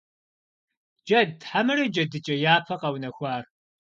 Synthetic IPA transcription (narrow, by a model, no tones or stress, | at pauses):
d͡ʒɐdħamɨɾɐd͡ʒɐdɨt͡ʃʼɐjaːpʰɐqɐwnɐxʷaːr